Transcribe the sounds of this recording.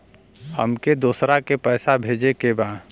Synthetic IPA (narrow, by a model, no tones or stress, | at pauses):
hə̰mked̪uːsɾakepɛːsabʱeːd͡ʒekebaːd̪